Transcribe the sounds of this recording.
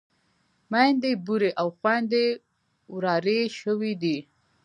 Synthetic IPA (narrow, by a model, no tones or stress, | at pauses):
majnd̪ebuɾeʔawxwand̪e | wɾɑɾeʃəwid̪i